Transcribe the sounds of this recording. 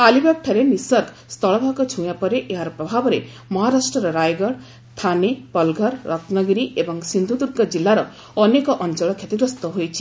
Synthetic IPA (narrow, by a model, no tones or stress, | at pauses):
alibak̚ʈʰaɾenisɔɾk | st̪ʰɔɭɔbʱakɔt͡ʃʰuj̃apɔɾeʔeɦaɾɔpɾɔbʱabɔɾe | mɔɦaɾasʈɾɔɾɔɾajɡɔɽ | t̪ʰanepɔlɡʱɔɾːɔknɔɡɾiʔebɔŋsind̪ʱud̪uɾɡɔd͡ʒilːaɾɔ | ɔnekɔʔɔnt͡ʃɔɭɔkʰjet̪iɡɾɔst̪ɔɦojt͡ʃʰi̥